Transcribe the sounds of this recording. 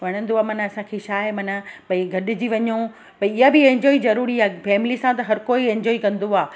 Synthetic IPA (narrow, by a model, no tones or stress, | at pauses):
ʋɐɽ̃ə̃nd̪oaːmɐnɐsãkʰeʃaːɪmɐnɐpɐ̃ĩɡʱɐɗɪ̆d͡ʑiʋɐɲõ | pɐ̃ɪɦabɪẽɲd͡ʑɔːizɐɾuːɾiaːfɛːmɪlisãt̪̬ɐɦɐɾkoːiẽɲd͡ʑɔːikɐ̃nd̪oaː